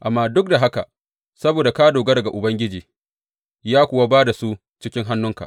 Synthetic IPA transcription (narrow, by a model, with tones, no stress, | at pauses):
ʔa˨mːaː˦dʊ˦k̚da˨ɦa˦ka̰˨ | sɐ˦boː˨da˨ka˦doː˨ɡa˦dɐ˨ɡa˨ʔʊ˨bɐ˦ŋɡʲɪ˦d͡ʒiː˨ | jaː˦kʷʊ˨wa˦baː˦da˨su˦ | t͡ʃɪ˦kʲɪ˦ŋɦa˦nːʊ˦ŋka̰˨ʔ